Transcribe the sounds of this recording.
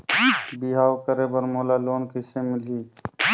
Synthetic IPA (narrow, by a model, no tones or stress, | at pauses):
biɦaːwkəɾebəɾmolaloːnkɪsemɪliː